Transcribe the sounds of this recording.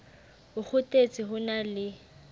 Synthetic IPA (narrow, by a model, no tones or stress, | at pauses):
ʊχʊtʼet͡sʼɪɦʊnalɪ